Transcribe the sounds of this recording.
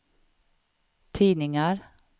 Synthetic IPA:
t̪ʰiːnɪŋaɾ

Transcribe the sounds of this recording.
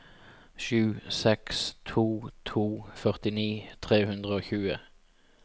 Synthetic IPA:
ʃʉːsɛkst̪ʰuːt̪ʰuːfœʁt̪ɪniːt̪ʰʁeːhʉnd̪ʁəoːçʉːə̰

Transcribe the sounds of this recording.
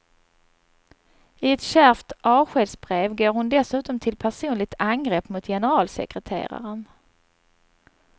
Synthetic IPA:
ɪɛt̪ɕæɾft̪ʔɑːɧeːd̪sbɾeːvɡoːɾhʊnd̪ɛsʉ̟ːt̪ɔmt̪ʰɪlpʰæʂuːnlɪɡ̚t̪ʰaŋɡɾeːpːmʊt̪jɛnəɾɑːlsɛ̰kɾɛt̪ʰḛːɾa̰ɾən

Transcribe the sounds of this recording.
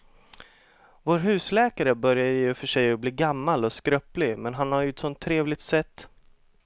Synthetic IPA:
voːɾɦʉ̟ːslɛːkaɾəbœɾjaəjɵfœʂɛjɔbliːɡamːalɔskɾœplɪmɛnɦanhaɾjɵɛt̪sɔnt̪ʰːɾeːvlɪɡ̚t̪sɛt̪ː

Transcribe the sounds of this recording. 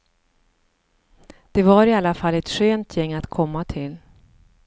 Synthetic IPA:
d̪̥ɛvaɾɪalːafalːɛt̪ɧøːnt̪ʰjɛŋːat̪kʰɔmːat̪ʰɪl

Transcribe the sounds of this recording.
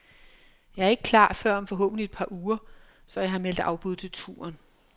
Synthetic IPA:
jɑ̈ɪæɐe̝ɡ̥əkʰlɑ̰̈ːfɶɐ̰ɒ̽mfɒ̽ɦɔ̰̽ːb̥n̩died̥̚pʰɑ̈ːʔuːɐ | sɒ̽jɑ̈ɦɑ̈mel̰d̥ɑ̈ʊb̥uð̞̰ˠt͡sʰe̝lt͡sʰṵːɐn

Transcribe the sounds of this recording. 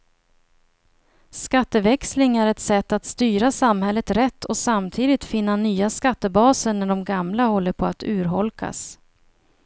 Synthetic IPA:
skat̪ːəvɛkslɪŋæɾɛt̪sɛt̪ːat̪st̪yːɾasamhɛlːət̪ɾɛt̪ːɔsamt̪ʰiːd̪ɪt̪fɪnːanyːaskat̪ːəbɑːsənæɖɔmɡamlahɔlːəɾpʰɔat̪ʉ̟ːɾɦɔlkʰa̰s

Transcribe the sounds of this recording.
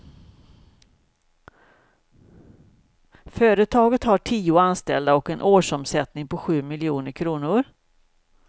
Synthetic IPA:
fœːɾət̪ʰɑːɡət̪haʈʰiːʊanst̪ɛld̪aɔkɛnʔoːʂɔmsɛt̪nɪŋpʰɔɧʉ̟ːmɪlɪuːnəɾkʰɾuːnʊɾ

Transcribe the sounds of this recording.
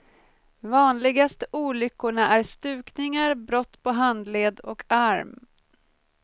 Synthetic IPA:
vɑːnlɪɡast̪uːlʏkːʊɳaʔæɾst̪ʉ̟ːknɪŋaɾbɾɔt̪ːpʰɔɦand̪leːd̪ɔkʰaɾm

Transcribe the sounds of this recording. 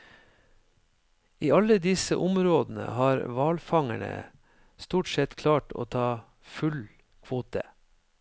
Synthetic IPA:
iːɑləd̪ɪsəʔʊmɾoːd̪n̩ə̰hɑːɾʋɑːlfɑŋæɳə̰ | st̪uːʈsɛt̪kʰlɑːʈo̰ːt̪ʰɑː | fʉl | kʰʋoːt̪ə

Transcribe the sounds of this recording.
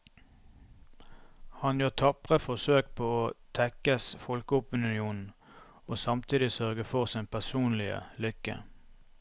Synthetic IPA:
hɑnjøːʁt̪ʰɑpʁəfɔʁsøːkpʰoːoːt̪ʰɛkəsfɔlkəʊpənʉnɪuːnn̩ | oːsɑmt̪ʰiːd̪ɪsœʁɡəfɔʁsiːnpʰæʁsuːnlɪə̰lʏkə̰

